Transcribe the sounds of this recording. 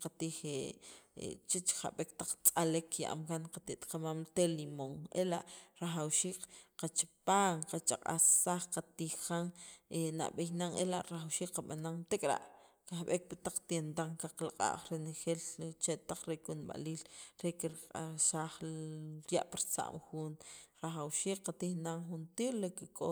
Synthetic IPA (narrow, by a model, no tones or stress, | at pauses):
qat̪iːxeḛt͡ʃet͡ʃχa̰ɓekt̪aq͡χt͡sʼalekʰːja̰ʔa̰mkanqat̪iʔt̪ʼqamaːmt̪elimoŋelaʔɾaxawʃiːkqat͡ʃipaːŋqat͡ʃaqʼa̰ssaχqat̪iːxkaŋena̰ʔɓejnaŋelaʔɾaχawʃiːkqaɓanaŋt̪ekʼɾa̰ʔkaxɓek̚pat̪aq͡χt̪jent̪aŋkaqlaqʼa̰ʔχɾenexelt͡ʃet̪aq͡χɾekunɓa̰liːlɾekiɾqʼaʃaːχɾja̰ʔpaɾt͡sa̰ʔmxunɾaxawʃiːkqat̪ixnaŋxunt̪iːɾlekikʼo